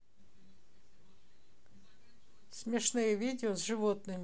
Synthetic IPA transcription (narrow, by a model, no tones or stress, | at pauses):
sʲmʲiʃnɪjɛʋʲid̪ʲɪɔzʒɪʋɔt̪nɪmʲ